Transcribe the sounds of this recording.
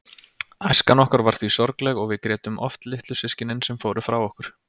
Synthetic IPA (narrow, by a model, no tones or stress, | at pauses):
ajskanɔhkaɾvaɾ̥θvisɔɾklɛɣɔɣvɪðkɾɛːt̪ʏmʔɔ̰ft̪lɪht̪lʏsɪscɪnɪnsɛmfoːwɾɪfɾawɔhkʏɾ̥